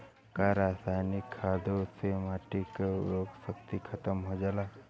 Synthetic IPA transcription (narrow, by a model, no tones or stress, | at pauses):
kaɾaːsaːjnikʰːaːd̪osemaʈikoɡsəkt̪ikʰət̪əmɦod͡ʒalaː